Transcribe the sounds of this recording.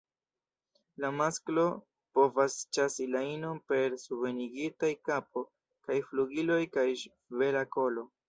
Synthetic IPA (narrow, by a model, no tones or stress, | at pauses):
lamasklo̞ | po̞vast͡ʃasilaino̞npe̞ɾsuve̞niɡitajkapo̞ | kajfluɡilo̞jkaj | ve̞ɾako̞lo̞